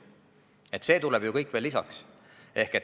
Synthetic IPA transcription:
e̞t̪se̞ːt̪ulɛb̥jukɤjkːˑvelːisɑ̰ks | e̞hket̪

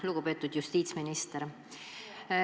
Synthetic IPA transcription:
luɡ̥upe̞ːt̪ːud̪̥just̪iːt̪sminist̪eɾ

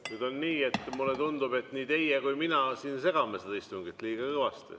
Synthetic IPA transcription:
nyːd̪̥o̞nːiːe̞t̪ːmulːet̪und̪ube̞t̪ːniːt̪e̞jekujminɑsiːnse̞ɡ̥ɑmesed̪ɑist̪uŋɡit̪ːˑliːɡ̥ɑkɤvɑst̪ḭ

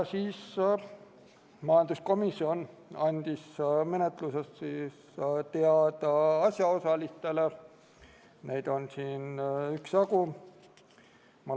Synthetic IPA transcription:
siːs | mɑjɑnd̪̥usko̞misːio̞nɑnʲd̪̥isme̞net̪ˑlusest̪siːs | t̪eɑd̪̥ɑɑsʲjɑo̞sɑlist̪e̞le | nejd̪̥o̞nsiːnyksɑɡu | mɑ

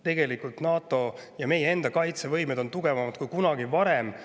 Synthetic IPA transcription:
t̪e̞ɡe̞likult̪nɑːt̪ˑo̞jɑme̞jee̞nd̪̥ɑkɑjt̪se̞vɤjmed̪̥o̞nt̪uɡ̥e̞vɑmɑd̪̥̚kujkunɑɡ̥ivɑɾe̞m

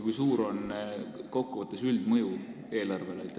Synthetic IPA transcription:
kujsuːɾo̞nko̞kˑːuvɑt̪ːˑesyld̪mɤju | e̞ːlɑrve̞leit̪ːˑ

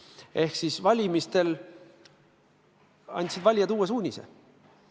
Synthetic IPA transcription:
ʔe̞hksisvɑlʲimist̪e̞l | ɑ̰nʲt̪ʲsid̪vɑlʲjɑt̪uːes̬uːnʲisḛ

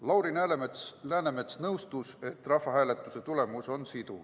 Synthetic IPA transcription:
lɑwɾinæːlemelæːneme̞t̪snɤwst̪use̞t̪ːˑrɑfːɑɦæːle̞t̪ːˑuse̞t̪ule̞muso̞nsit̪ṵ

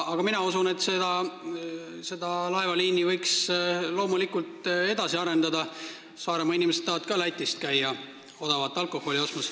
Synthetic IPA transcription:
ɑɡ̥ɑminɑusune̞t̪ːˑse̞d̪̥ɑ | se̞d̪̥ɑlɑevɑliːnivɤjkslo̞ːmulikult̪ˑe̞d̪̥ɑsiɑɾe̞nd̪ɑd̪ɑ | sɑːɾe̞mɑinimeset̪ːɑːvɑt̪̚kɑlæjt̪ːˑist̪̚kæjːɑ | o̞d̪̥ɑvɑt̪ːˑɑlkˑo̞ho̞lio̞st̪mɑs

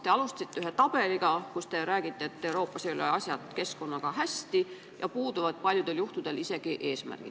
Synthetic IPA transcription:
t̪e̞ɑlust̪ɑ̥sit̪ːeyɦe̞t̪ɑb̥e̞liɡɑkust̪e̞ɾæːɡ̥it̪ːˑe̞et̪ːe̞uɾo̞ːpːˑɑseoleɑsʲjɑt̪ke̞sko̞nːɑkɑɦæsʲt̪i | jɑ̰puːd̪uvɑd̪̥̚pɑlʲjud̪̥e̞ljuht̪ud̪̥e̞lise̞ɡ̥iʔe̞ːsmæ̰rɡ̥ḭ

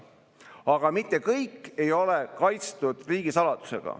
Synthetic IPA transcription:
ɑɡ̥ɑmit̪ˑːe̞kɤjkˑːe̞jo̞lekɑjt̪st̪ud̪̥riːɡ̥isɑlɑd̪̥u̥se̞̰ɡ̥ɑ̰

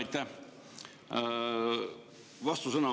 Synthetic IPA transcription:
jt̪ːæh | vɑst̪usɤnɑ

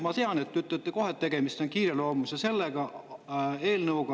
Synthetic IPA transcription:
mɑt̪eɑnet̪ːyt̪ːˑøt̪ːeko̞ɦet̪ːe̞ɡ̥e̞mist̪o̞nkiːɾelo̞ːmusɑse̞lːeɡ̥ɑ | e̞ːlnɤwɡ̥ɑ

